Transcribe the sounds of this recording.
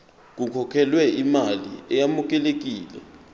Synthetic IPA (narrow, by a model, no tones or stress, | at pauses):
k̬ukʰɔkʰɛlwɛimaliɛjamuk̬ʼɛlek̬iːlɛ̰